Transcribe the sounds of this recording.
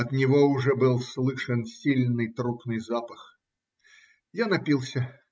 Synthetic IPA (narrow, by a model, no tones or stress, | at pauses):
ɐd̪nʲiɣɔwʐɛbɨlˠslˠɨʂɐnsʲilʲnɨt̪ɾupnɨzapɐx | janapʲilˠsʲɐ